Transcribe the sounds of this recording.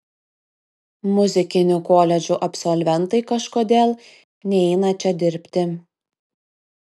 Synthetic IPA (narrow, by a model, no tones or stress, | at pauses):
mʊzʲɪkʲɪnʲukoːlʲɛd͡ʒʲuʔɐpʲsɔlʲʋʲɛnt̪ɐɪkɐʃkoːd̪ʲeːlˠ | nʲɛɪnɐt͡ʃʲɛd̪ʲɪɾʲpʲt̪ʲɪ